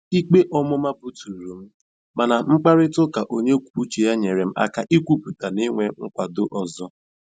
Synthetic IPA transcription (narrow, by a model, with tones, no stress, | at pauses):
i˦k͡pe˦ʔɔ˦mʊ˦ma˦bu˦tu˨ɾɾu˨m̩˦ | ma˨na˨ŋ͡m̩˦k͡pa˦ɾɪ˦tʊ˦ka˨ʔo˦ɲe˦kʷu̥˨pu˦t͡ʃi˨ja˦ɲe˨ɾe˨m̩˦a̰˦ka˦ʔi˦kʷu˦pu˨ta˨ni˦ŋʷe˦ŋ̩˦kʷa˨dʊ˦ʔɔ˨zɔ˦